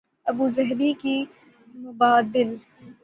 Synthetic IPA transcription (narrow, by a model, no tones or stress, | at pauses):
ɐbuːzɐɦbiki | mʊbaːd̪ɪl